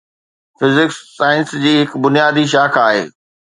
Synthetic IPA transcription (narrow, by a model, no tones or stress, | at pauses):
fɪzɪksːaːɪ̃nsd͡ʑiːɦɪkbʊnijaːd̪iʃ̬aːkʰaːɦḛː